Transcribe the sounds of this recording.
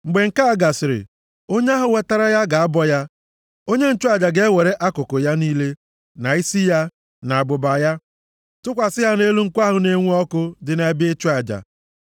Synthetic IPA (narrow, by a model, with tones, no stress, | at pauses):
ŋ͡m̩˨ɡ͡be˨ŋ̩˨ka˦a˦˨ɡa˨sɪ˨ɾɪ̰˨ | o˦ɲ˦a˦ɦʊ˨we˨ta˦ɾa˦ja˦ɡa˨a˦bɔ˦ja˦ | o˦ɲe˦n̩˦t͡ʃu˦a˨d͡ʒa˨ɡe˦we˨ɾe˦ʔa˦kʊ˨kʊ˨ja˦niː˦le˦ | na˨i˦si˦ja˦ | na˨bʊ˨ba˨ja˦ | tʊ˦kʷa˨sɪ˦ja˦ne˦lu˦ŋ̩˦kʷa˦ɦʊ˨ne˦ŋʷu˦ɔ˦kʊ˦dɪ˨na˨˦be˦t͡ʃu˦a˨d͡ʒa̰˨